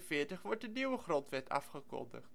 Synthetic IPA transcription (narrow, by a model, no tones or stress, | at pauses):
fɪːɹtəχʋɔɹt̚dəniwəχrɔntʋɛtʰɑ̰fχəkɔ̰ndə̰χt